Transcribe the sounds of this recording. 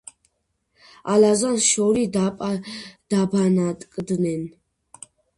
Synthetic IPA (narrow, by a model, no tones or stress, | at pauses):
alazanʃɔɾid̪apʼd̪̥abanat̪ʼkʼd̪nɛn